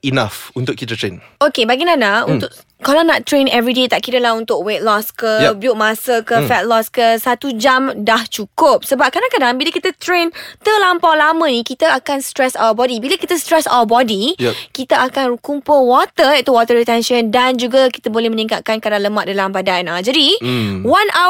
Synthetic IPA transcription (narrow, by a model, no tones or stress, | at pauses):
inafunt̪ʊk̚it̪ət̪ɾenokebaɡinanaunt̪ʊk̚ | kalanaʔt̪ɾenɛvɾidet̪aʔkiɾəlaɦunt̪ʊk̚wet̪̚lɔskəjbuʔ̚masəkəfɛt̪̚lɔskəsat̪ud͡ʒamdaht͡ʃukʊp̚səbap̚kadãkadaŋbiləkit̪ət̪ɾent̪əlampawlamə̃nĩkit̪əakanst̪ɾɛsa̰wəbɔdibiləkit̪əst̪ɾɛsa̰wəbɔdikit̪əakankumpʊlwɔt̪əit̪uwɔt̪əɾit̪ɛnʃəndand͡ʒuɡəki̥t̪əbolɛhmə̃nĩŋkaʔ̪̚kankadaŋləmat̪̚dalampadanad͡ʒadiwana